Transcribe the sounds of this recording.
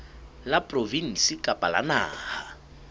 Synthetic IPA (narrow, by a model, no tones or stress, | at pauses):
lapʼrovin̩sikʼapʼala̰na̰ːha